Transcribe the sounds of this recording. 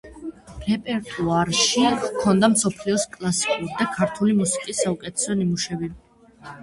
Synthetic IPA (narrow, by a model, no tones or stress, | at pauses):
ɾɛpʼɛɾt̪ʼuaɾʃikʰɔnd̪amsɔpʰliɔskʼlˠasi̥kʼuɾid̪akʰaɾt̪ʰulimusi̥kʼisːaukʼɛt̪ʰɛ̥sɔnimuʃɛbi